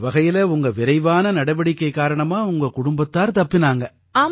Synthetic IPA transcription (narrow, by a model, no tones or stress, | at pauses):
ʋɐɣɐjɪlɐʊŋɡɐʋɪɾɐɪʋaːnɐnɐɽɐʋɐɽɪkːɐɪkːaːɾɐɳɐmaːʊŋɡɐkʊɽʊmbɐt̪ːaːɾt̪ɐpːɪnaːŋɡɐ | aː